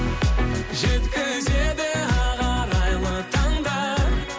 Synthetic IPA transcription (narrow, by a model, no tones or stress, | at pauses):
ʒet̪kʲɪʒeb̪eɑʁɑɾɑjlˠət̪ʰɑŋd̪ɑ